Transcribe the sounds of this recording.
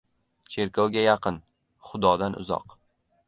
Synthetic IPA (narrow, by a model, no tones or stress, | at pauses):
t͡ʃʰe̞ɾkʲʰɒwɡʲajɑqɨn | χʊd̪ɒd̪anʔʊ̰zɒ̰q